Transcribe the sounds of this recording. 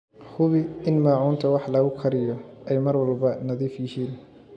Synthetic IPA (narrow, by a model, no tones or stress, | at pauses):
hʊβɪɪnmaːʕuːnt̪ʰɐwɑħlɐɣʊkʰɐɾɪjɔʔɛjmɐrwɑlbɐnɐðiːfjɪhiːn